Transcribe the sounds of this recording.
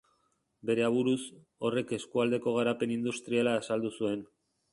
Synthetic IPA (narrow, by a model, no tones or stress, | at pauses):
be̞ɾe̞aβuɾus | o̞re̞ke̞skuald̪e̞ko̞ɣ̞aɾape̞nind̪ust̪ɾialaːsald̪usue̞n